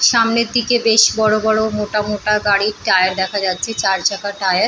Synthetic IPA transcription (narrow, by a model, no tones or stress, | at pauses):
ʃamneɾd̪ikebeʃbɔɽobɔɽomoʈamoʈaɡaɽiʈajaɾd̪ɛkʰad͡ʑatːɕʰet͡ɕaɾt͡ɕakaʈajaɾ